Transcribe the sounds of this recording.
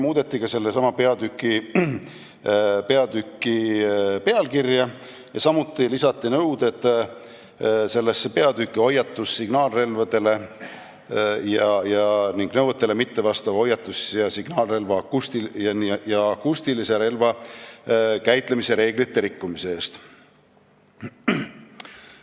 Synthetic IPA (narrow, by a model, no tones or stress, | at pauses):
muːd̪e̞t̪ˑːikɑse̞lːesɑmɑpe̞ɑd̪ykːˑi | pe̞ɑd̪̥ykːipe̞ɑlkirjɑ | jɑsɑmut̪ːˑilisɑt̪ːinɤwd̪̥et̪ːˑ | se̞lːesepe̞ɑd̪̥ykːˑio̞jɑt̪ːusːiɡ̥nɑːlre̞lvɑd̪̥e̞le̞ | jɑjɑniŋɡ̥nɤwət̪ːˑelemit̪ːe̞vɑst̪ɑvɑo̞jːɑt̪ˑːusjɑsiɡ̥nɑːlre̞lvɑkust̪ijnjɑːkust̪ilise̞ɾe̞lvɑ | kæjt̪ˑle̞mise̞ɾe̞ːɡ̥lit̪ːe̞ɾikːumise̞eːst̪